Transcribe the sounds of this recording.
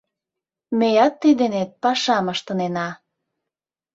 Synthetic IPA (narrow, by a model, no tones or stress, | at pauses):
mejɑt̪ːid̪enet̪̚pɑʃɑməʃt̪ənenɑ